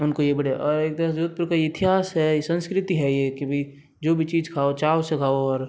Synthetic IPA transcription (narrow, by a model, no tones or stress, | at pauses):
ʊnkojebɐɽʔɔːɾeːk̚d̪ɐd͡ʒoːd̪̚pɪɾkajeɪt̪ʰɪɦaːsɦɛjesə̃nskɾɪt̪iɦɛjekebʱi | d͡ʒoːbʱit͡ʃiːd͡ʒkʰaːot͡ʃaːosekʰaːoɔːɾ